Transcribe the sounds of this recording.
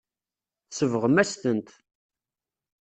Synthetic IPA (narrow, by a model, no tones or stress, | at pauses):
θsəvəʁmæst̪ənt̪